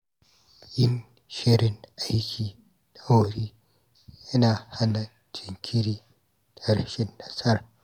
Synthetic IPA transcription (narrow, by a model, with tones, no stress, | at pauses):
jɪ˦n | ʃi˦ɾɪ˨na˦jkʲʰi˨ | na˦wɐ˨ɾi˦ | jɐ˦na˨ha˦na˨ | d͡ʒi˨ŋkʰʲi˦ɾi˦ | tɐ˦ɾʃɪ˦nːa˨sɐ˦ɾ